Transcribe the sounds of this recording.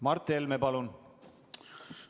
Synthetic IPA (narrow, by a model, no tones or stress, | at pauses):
mɑrt̪ːˑelmepɑlun